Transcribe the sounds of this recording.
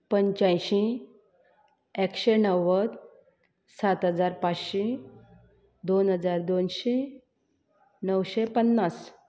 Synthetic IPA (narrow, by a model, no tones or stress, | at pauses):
pəɲt͡ɕãjɕĩ | ekɕenəwːət̪ | sat̪ɦəd͡zaɾpat͡sɕĩ | d̪onɦəd͡zaɾd̪onɕe | nəwɕepənːas